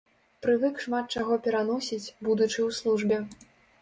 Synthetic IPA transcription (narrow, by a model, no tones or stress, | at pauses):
pɾɨvɨkʂmat̪̚t͡ʂaaɣɔpʲɛɾanɔsʲit͡sʲbud̪ut͡ʂɨwslˠuʐbʲɛ